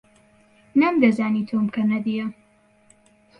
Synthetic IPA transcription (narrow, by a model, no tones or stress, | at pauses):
nɐmd̪ɐzaːnit̪ʰomkʰɐnɐd̪ijɐ